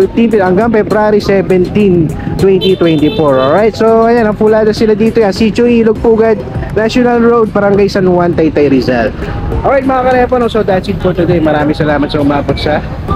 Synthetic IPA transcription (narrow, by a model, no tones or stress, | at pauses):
fɪft̪inpɪɐŋɡaŋpɛbɾaɾisɛvɛnt̪int̪wɛnt̪it̪wɛnt̪ifoɹolɹajt̪soɐjanɐpulaːd̪ɐsɪlad̪iːt̪ojansit͡ʃoʔiːloɡ̚puːɡad̪̚naʃɔnɐlɹowd̪̚bɐɾɐŋɡajsɐnwant̪ɐjt̪ɐjɾɪzal | ʔoɹajt̪̚mɐŋakɐlɛfonosod̪at̪sid̪̚fot̪ʊd̪ejmɐɾaːmɪ̃ŋsɐlaːmɐt̪sɐʊmaːbot̪̚sɐ